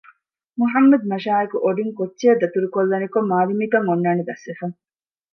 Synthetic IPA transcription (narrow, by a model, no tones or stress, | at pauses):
muɦɐmːɐd̪̚mɐʃaːekuʔoɖiŋkotːʃeɐd̪ɐt̪uɾukolːɐnikomːaːlimikɐŋːonːaːned̪ɐsʋefɐŋ